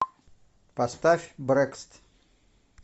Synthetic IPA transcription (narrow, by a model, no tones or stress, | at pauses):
pɐst̪afʲbɾɛkst̪